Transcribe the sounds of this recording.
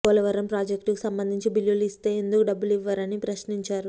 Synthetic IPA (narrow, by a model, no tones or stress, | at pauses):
kɔːlɐʋɐɾɐmpɾaːd͡ʒekʈkisɐmbɐnd̪ʱiɲt͡ʃibilːjuluist̪e̞ːend̪ukuɖɐbːuliʋːɐːɾɐnipɾɐʃniɲt͡ʃaːɾu